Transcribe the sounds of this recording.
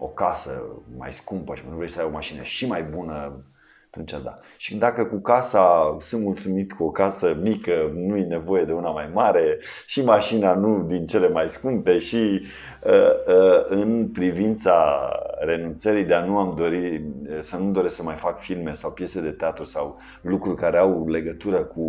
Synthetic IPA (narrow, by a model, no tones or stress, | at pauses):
o̞̰kasə̰ma̰jskumpəʃimnuvɾesəajbo̞maʃinə̰ʃimajbunə | at̪unt͡ʃad̪a̰ | ʃi̥d̪akəkukasasɨnt̪mult̪sumit̪kuo̞kasəmikənujene̞vo̞je̞d̪e̞unamajmaɾe̞ | ʃimaʃinanud̪int͡ʃe̞le̞majskumt̪e̞ʃi | əəɨnpɾivint̪saɾe̞nunt̪səɾid̪eanuamd̪o̞ɾiəsanumd̪o̞ɾesksəmajfakfilme̞sawpje̞sed̪e̞t̪eat̪ɾusaw | lukɾurʲkaɾe̞awle̞ɡət̪uɾəku